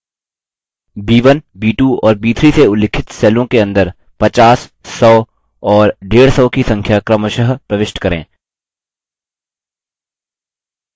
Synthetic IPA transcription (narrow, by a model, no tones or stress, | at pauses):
biːʋənbiːʈuɔːɾbiːt̪ʰɾiseʊlɪkʰɪt̪sɛːlõkeɐ̃nd̪əɾ | pɐt͡ʃaːsːɔː | ɔːɾɖeːɽsɔːkisɐ̃ŋkʰjakɾəməʃəɦpɾɐʋɪʃʈkɐɾḛ̃ː